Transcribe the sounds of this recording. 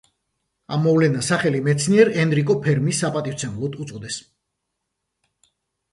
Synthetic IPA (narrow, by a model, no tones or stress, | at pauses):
a̰mːɔvlɛnasaχɛlimɛt̪sʰniɛɾɛnɾikʼɔpʰɛɾmisːapʼat̪ʼift̪sʰɛmlˠɔt̪ʰut̪sʼɔd̪ɛs